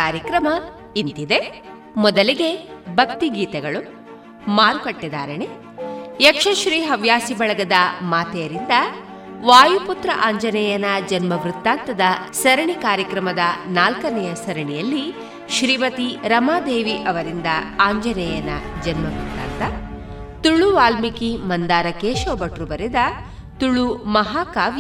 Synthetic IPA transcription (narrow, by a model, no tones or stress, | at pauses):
aːɾjɐkɾɐmɐ | int̪id̪e̞ | mɔd̪ɐliɡe̞bʱɐk̚t̪iɡiːt̪ɛɡɐɭu | maːɾukɐʈːid̪aːɾɐne | jɐkʂɐʃɾiːɦɐʋjaːsibɐɭɐɡɐd̪ɐmaːt̪ɛjɐɾind̪ɐ | ʋaːjuput̪ɾɐ̰ʔaːɲd͡ʒɐnɛːjɐnɐd͡ʒɐnmɐɡɾut̪ːaːnt̪ɐd̪ɐsɐɾɐɳikaːɾjɐkɾɐmɐd̪ɐnaːlkɐnɛjɐsɐɾɐɳijɐlːi | ʃɾiːʋɐt̪iɾɐmaːd̪eːʋiʔɐʋɐɾind̪ɐaːɲd͡ʒɐnɛːjɐnɐ̰d͡ʒɐnmɐɡɾut̪ːa̰ːnt̪ɐ | t̪uɭuʋaːlmikimɐnd̪aːɾɐkeːʃoːbɐʈɾubɐɾɛd̪ɐ | t̪uɭːumɐɦaːkaːʋj